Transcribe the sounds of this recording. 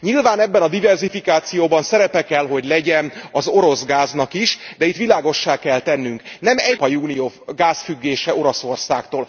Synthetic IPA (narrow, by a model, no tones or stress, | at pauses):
ɲilvaːnɛbːɛnɒd̪ivɛrzifikaːt̪sijoːbɒnsɛɾɛpɛkɛlɦo̞ɟlɛɟɛnɒzo̞ɾo̞zɡaːznɒkiʃd̪ɛit̪ʋilaːɡo̞ʃːaːkɛlt̪ɛnːyŋknɛmɛpɒjuːnijoːɡaːsfyɡːeːʃɛʔo̞ɾɒso̞rsaːkt̪oːl